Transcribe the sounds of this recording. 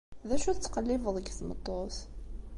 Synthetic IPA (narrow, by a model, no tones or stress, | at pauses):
ðæʃut͡sːqəlːɪvəðˤəɡθmət̪ˤːoθ